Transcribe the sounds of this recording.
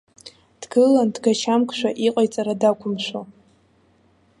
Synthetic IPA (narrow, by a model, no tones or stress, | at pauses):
d̥ɡɨlandɡaʃamkʷʰʼʃʷᶣaʔiqʼajt͡sʼaɾadakʷʰʊmʃʷo